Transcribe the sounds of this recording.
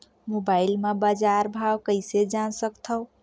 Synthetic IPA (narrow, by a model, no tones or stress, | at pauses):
mobailmebad͡ʒaɾbʱawkəɪsed͡ʒansəkt̪ʰəw